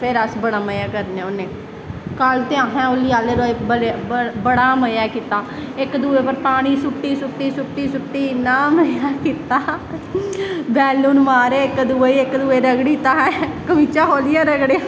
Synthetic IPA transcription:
pʰɪɾəsbəɽaːməjaːkəɾnẽːonẽː | kəlt̪eãːɦɛ̃ːoliːaːleːɾoːebəlebəɽaːməjaːkiːt̪aːɪkd̪uːeːpəɾpaːɽ̃iːsʊʈːiːsʊʈːiːsʊʈːiːsʊʈːiːnaːməjaːkiːt̪aː | bɛːluːnmaːɾeːɪkd̪uːeɪkd̪uːeːɾəɡɽiːt̪aːɦɛ̃kəmiːt͡ʃaːɦoːlɪjaːɾəɡɽeaː

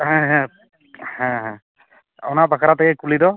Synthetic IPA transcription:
ɦɛ̃ɦɛ̃ | hɛ̃ɦɛ̃ | ɔ̰nabakʰaɾataɡɛkulidɔ

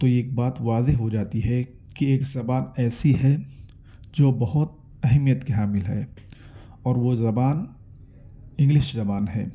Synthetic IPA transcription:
t̪ojeːk̚baːt̪ʋaːzeɦɦod͡ʒaːt̪iɦɛ | kieːkzɐbaːnɛːsiɦɛ | d͡ʒoːbɐɦʊt̪̚ | ɛɦɛmijət̪keɦaːmɪlɦɛ̰ː | ɔːɾʋozɐbaːn | ɪ̃ŋɡlɪʃzɐbaːnɦɛ̰ː

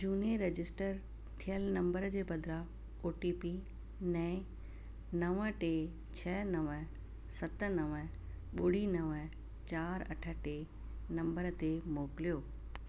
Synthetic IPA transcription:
d͡ʑuːnieɾed͡ʑɪsʈəɾ | t̪ʰijəlnɐ̃mbəɾd͡ʑeːbɐd̪ʱɾa | oːʈipi | nɛ̃ː | nɐʋə̆ʈe | t͡ɕʰɐnɐʋə | sɐt̪ə̆nɐʋə | ɓʊɽ̤inɐʋə | t͡ɕaːɾɐ̰ʈʰə̆ʈe | nɐ̃mbəɾt̪emoːkɪlijoː

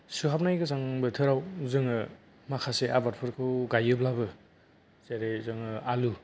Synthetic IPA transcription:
suɦap̚najɡɯzaŋbɯt̪ʰɯɾawuzɯŋɯ | makʰaseʔa̰baɾpʰɯɾkʰɯwɡajɯblabɯ | zeɾezɯŋɯalu

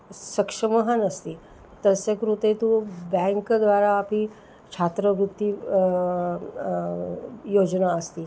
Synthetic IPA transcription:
səkʂəməɦənəst̪iː | t̪əsjəkɾut̪et̪ubɛ̃ŋkd̪ʋaɾaːpi | t͡ɕʰat̪ɾəʋɾut̪ːi | jod͡ʒnaəst̪iː

